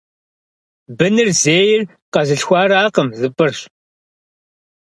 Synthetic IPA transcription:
bɨnɨrzeːjɪr | qɐzɨɬxʷɑːɾaːqəmzɨpʼɨrɕ

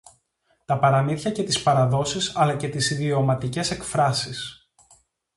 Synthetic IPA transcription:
t̪ɐpɐɾɐmiθçɐce̞t̪ispɐɾɐðo̞sisɐlɐce̞t̪isiðio̞mɐt̪ice̞se̞kfɾɐsis

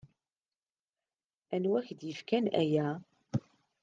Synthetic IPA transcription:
ænwæçd̪jəfkænæ̰jæ

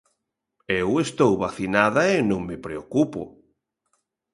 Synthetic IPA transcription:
ewest̪owβaθinaðɐenõŋmepɾeokupʊ̰

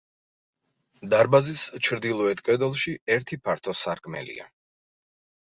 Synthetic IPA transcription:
d̪aɾbazist͡ʃʰɾd̪ilˠɔɛt̪ʰkʼɛd̪ɛlˠʃiɛɾt̪ʰipʰaɾt̪ʰɔsaɾkʼmɛ̰lḭa̰

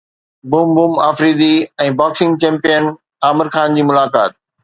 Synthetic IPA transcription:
bʊmbʊma̰ːfɾiːd̪iɛ̃ːbaːksɪ̃ŋɡ̚t͡ɕɛ̃ːmpijən | aːmɪɾxaːnd͡ʑiːmʊlaːka̰ːt̪̚

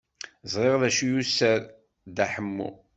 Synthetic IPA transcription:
zˤɾˤeʁðæʃijusəɾ | d̪æħəmːṵ

